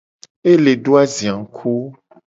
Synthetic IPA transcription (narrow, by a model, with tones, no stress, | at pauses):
e˦le˨ɖo˦a˦zi˨ã˨ŋ˨kʰu˦